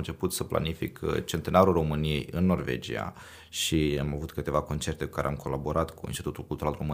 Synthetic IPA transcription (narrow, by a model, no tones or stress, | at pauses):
nt͡ʃe̞put̪səpla̰nifḭkʰt͡ʃe̞nt̪e̞naɾulro̞mɨnije̞̰jɨnːo̞rve̞̰d͡ʒḭa̰ | ʃiamavut̪kɨt̪e̞vako̞nt͡ʃe̞rt̪e̞ku̥kaɾḛamko̞laboɾat̪kʰuinst̪it̪ut̪ulkult̪uɾalromɨ